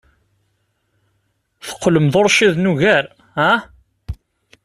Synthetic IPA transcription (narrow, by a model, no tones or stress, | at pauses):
θə̥qːləmðoɾˤʃiðnuɣæɾ | hæ